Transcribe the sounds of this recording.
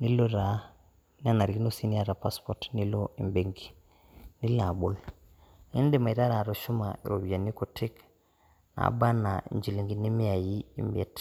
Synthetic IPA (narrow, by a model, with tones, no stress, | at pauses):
ni˦lo˦ɾa˨˦ | ni˦a˦˨na˨ɾɡi˦no˦si˦ni˦a˨ɾa˨pa˦spoɾtni˦lo˦i˨mbe˨ŋɡi˨ | ni˦la˨bo˨l | ni˦ndi˨ma˨i˨ta˦ɾa˨ɾo˨ʃu˦ma˨ḭ˨ɾo˨bi˨a˨ni˦ko˨tʰi˦k | na̰˨ba˦na˨ḭ˨ɲd͡ʒi˨li˨ŋɡi˨ni˦mi˦a˨ji˦ḭ˨mbe˦˨t